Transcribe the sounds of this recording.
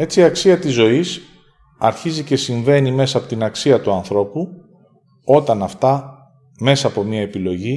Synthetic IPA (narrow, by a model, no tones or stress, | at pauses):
e̞t͡siːɐksiɐt̪izːo̞is | ɐɾçizice̞siɱve̞nime̞sɐpo̞t̪inɐksiɐt̪uɐnθɾo̞pu | o̞t̪ɐnɐft̪ɐ | me̞sɐːpo̞mɲɐe̞pilo̞ʝi